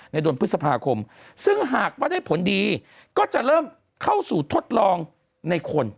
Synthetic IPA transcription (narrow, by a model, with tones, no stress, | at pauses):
na˧jdu˧ənpʰɯ˦˥t̚sa˧pʰaː˧kʰo˧m | sɯ˥˩ŋɦaː˨˩k̚waː˥˩da˥˩jpʰo˩˦ndiː˧ | kɔː˥˩t͡ɕa˨˩ʔɾɤː˥˩m | kʰa˥˩wsuː˨˩t̪ʰo˦˥t̪̚lɔː˧ŋ | na˧jkʰo˧n